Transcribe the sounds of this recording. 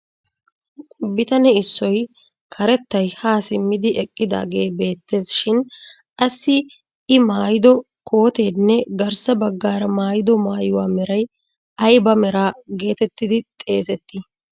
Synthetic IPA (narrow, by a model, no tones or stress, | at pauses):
kʼʊbɪt̪ɐnɛɪsːɔj | kʰɐɾɛt̪ːɐjhaːsɪmːɪd̪ɪʔɛkʼːɪd̪a̰ːɡe̞ːbe̞ːt̪ːe̞ːsʃɪn | ʔɐsːɪ | ʔɪmaːjɪd̪ɔ | kʰo̞ːt̪e̞ːd̪nːɛɡɐɾsɐbɐɡːaːɾɐmaːjɪd̪ɔmaːjʊwaːmɛɾɐj | ɐjbɐmɛɾaːɡe̞ːt̪ɛt̪ːɪd̪ɪt̪ʼe̞ːsɛt̪ːɪ